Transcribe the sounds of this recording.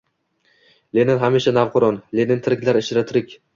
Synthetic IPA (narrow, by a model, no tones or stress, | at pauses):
lenɪnɦamiʃanavqʰʊɾɒnlenɪnt̪ʰɪɾɪkʲlaɾɪʃɾat̪ʰɪɾɪkʲ